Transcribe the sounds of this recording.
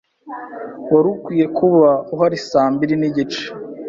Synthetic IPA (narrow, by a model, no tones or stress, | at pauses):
waɾukwiːje̞kuβauɦaɾisaːmbiɾiniɟit͡ʃe̥